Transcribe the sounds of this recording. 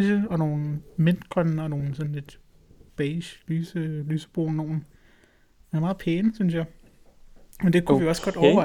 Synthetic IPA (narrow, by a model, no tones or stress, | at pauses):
ɕəɒ̽no̝ːn̩men̰d̥kʰʁɒnn̩ɒno̝ːn̩sɒ̽n̩le̝d̥ | b̥ɛɕlyːsəlyːsə̥b̥o̝̰ːn̩no̝̰ːn̩ | menmɑ̈ːð̩ˠpʰeːnəsynsjɑ̈ɪ | mend̥ekʰuijoɒ̽sɡ̥ɒ̽d̥ɒʊɐʋɑ̈